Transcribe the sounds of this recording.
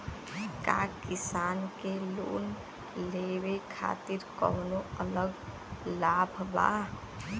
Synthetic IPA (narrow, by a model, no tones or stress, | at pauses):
ka̰ːkɪsaːnkelo̰ːn | leːwekʰa̰ːt̪iɾkɔ̰ːnoələɡ | laːbʱba̰ː